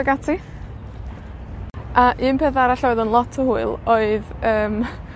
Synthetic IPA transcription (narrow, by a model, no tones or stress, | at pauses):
əɡatʰi | ʔaʔɨːnpʰɛθaɾaɬɔɨðənlˠɔtʰəhuɨlˠoɨðəːm